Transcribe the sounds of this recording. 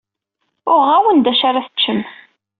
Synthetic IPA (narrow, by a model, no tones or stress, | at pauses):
ʊɾʁæwənd̪æʃaɾaθə̥t͡ʃːəm